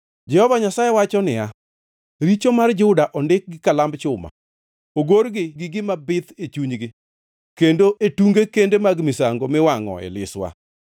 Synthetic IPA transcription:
d͡ʒɛhɔvaɲasajewat͡ʃɔnɪja | ɾit͡ʃomard͡ʒʊdaʔɔndɪk̚ɡɪkalambt͡ʃʊma̰ | oɡoɾɡɪɡɪɡɪmabɪt̪et͡ʃuɲɡɪ | kendoʔetuŋɡekendemaɡmɪsaŋɡomɪwaŋɔ̰ɛ̰lɪ̰swa̰

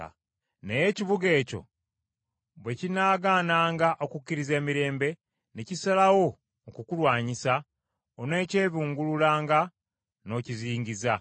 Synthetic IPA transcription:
ne̞je̞ciβuɡe̞ːco̞̰ | βwe̞cinaːɡaːnaːŋɡaʔo̞kukːiɾize̞ːmiɾe̞ːmbe̞ | necisalawo̞ː | kukulwaːɲisa | one̞ːce̞ːβuːŋɡululaːŋɡa | no̞ːciziːŋɟiza

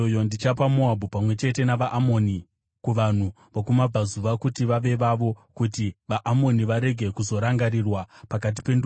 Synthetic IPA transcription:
ojondit͡ʃapamoabʱupamwe̞t͡ʃe̞te̞naʋaʔːmo̞ni | kuʋan̤u | ʋokumab͡vʱazuʋakutiʋaʋe̞ʋaʋo̞kutiʋaʔːmo̞niʋaɾe̞ɡʱe̞kuzo̞ɾaŋɡaɾirwapakat̬i̥pe̞ndu

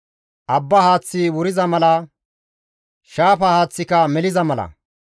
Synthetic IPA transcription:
ʔɐbːɐhaːt͡sːɪwʊɾɪzɐmɐlɐ | ʃaːfɐhaːt͡sːɪkɐmɛlɪzɐmɐlɐ̰

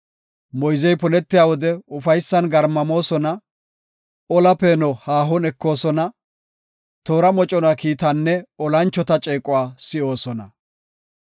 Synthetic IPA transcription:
mɔjzɛjpɔnɛt̪ːɪjaːwɔd̪ɛʊfɐjsːɐnɡɐɾmːɐmo̞ːsɔnɐ | ɔlɐpeːnɔhaːɦɔnɛkːo̞ːsɔnɐ | t̪o̞ːɾɐmɔt͡ʃʼɔnɐkiːt̪ɐnːɛɔlɐnt͡ʃːɔt̪ɐt͡ʃʼeːkʼʊwaːsɪʔo̞ːsɔnɐ̰

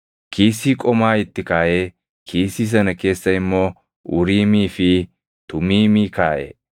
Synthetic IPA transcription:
kʰiːsːiːkʼɔmaːɪt̪ːɪkaːjeː | kʰiːsiːs̬ɐnɐke̞ːsːɐɪmːoː | ʊ̰ɾiːmiːfɪ | t̪ʊmiːmiːkaːʔḛː

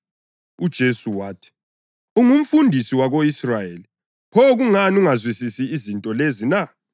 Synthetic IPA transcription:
ud̥ʒ̥ʱesuwaːtʰi̥ | uŋum̩fundʱisiwaɣoisrajeːli | pʰɔɣuŋanuŋazwisisiːzintʼɔlezina

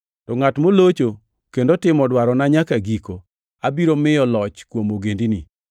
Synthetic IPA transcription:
tɔŋatmolot͡ʃo | kendotɪmɔdwaɾɔnaɲakaɡiko | abiɾomɪjɔlɔt͡ʃkwomoɡendini

